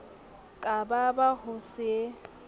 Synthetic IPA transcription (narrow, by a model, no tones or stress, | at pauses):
kʼababahʊsɪe